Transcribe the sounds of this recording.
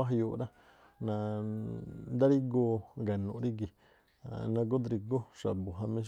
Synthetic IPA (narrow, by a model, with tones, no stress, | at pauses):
a˦˧ju˧ɾa˦ | nã˧ | d̪a˦ɾi˦ɡo˧ɡa˨nṵ̃˨ɾi˦ɡi˨ | nã˧ɡo˦d̪ɾi˧ɡo˦ʂa˨bu˨ɦa˧mĩ˦